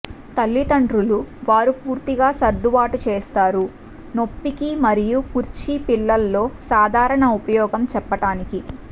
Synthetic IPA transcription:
t̪ɐlːit̪ɐɳɖɾuluʋaːɾupuːɾt̪iɡaːsɐɾd̪uʋaːʈut͡ʃeːst̪aːɾu | no̞pːikimɐɾijukuɾt͡ʃipilːɐlːo̞ːsaːd̪ʱaːɾɐɳɐupɐjɔːɡɐmt͡ʃɛpːɐʈaːniki

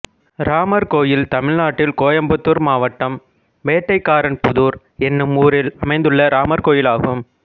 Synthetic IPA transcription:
ɾaːmɐɾkoːjɪlt̪ɐmɪɻnaːʈːɪlkoːjɐmbɐt̪ːɯɾmaːʋɐʈːɐm | ʋeːʈːɐɪkːaːɾɐnpʊðuːɾ | ɛnːɯmuːɾɪlɐmɐɪnd̪ɯɭːɐɾʔaːmɐɾkoːjɪlaːɣɯm

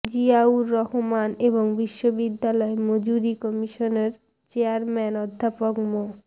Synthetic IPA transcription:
d͡ʑiauɾːɔɦomaneboŋbiʃːobid̪ːalɔemod͡ʑuɾikɔmiʃoneɾ | t͡ɕeaɾmɛnɔd̪ʱːapokmo

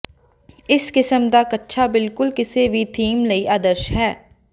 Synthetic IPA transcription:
ɪskɪsəmd̪aːkətːʃʰaːbɪlkʊlkɪseːʋiːt̪ʰiːmləiːʔaːd̪əɾʃɦɛː

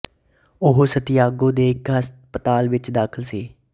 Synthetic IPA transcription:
ʊɦosət̪ɪjaːɡõːd̪eːɪkɦəspət̪aːlʋɪt͡ʃd̪aːkʰəlsiː

